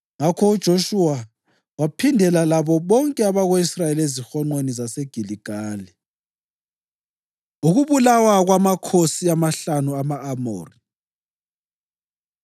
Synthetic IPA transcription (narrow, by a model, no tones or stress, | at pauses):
ŋakʰɔud̥ʒ̥ʱoʃuwa | wapʰindʱɛlalaβɔβɔŋkʼɛaβaɣweisrajelezixɔŋ͡ǃwenizaseɡ̥ʱiliɡ̥ʱaːli | uɣuβulawaɣwamakʰosiamaɬanuamaːmo̰ːri